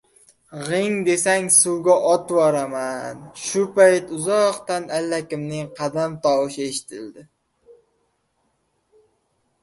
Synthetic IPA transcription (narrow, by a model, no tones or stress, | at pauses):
ʁɪŋd̪e̞saŋsuwɡʲaʔɒt̪wɒɾamanʃʊpajt̪ʊzɒqt̪analːakʲɪmnɪŋqʰɑd̪amt̪ʰɒwɨʃe̞ʃɪ̥t̪ʰɪld̪ɪ